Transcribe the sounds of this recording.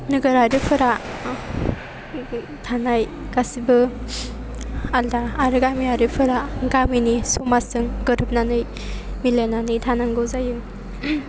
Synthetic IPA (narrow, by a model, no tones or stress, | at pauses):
nɯɡɯɾaɾɯpʰɯɾa | tʰanaj | ɡ̥asibɯ | aldaːɾɯɡamiaɾɯpʰɯɾaɡaminisumasɯŋɡɯɾɯp̚nanɯj | milenanɯjtʰanaŋɡɯwzajɯŋ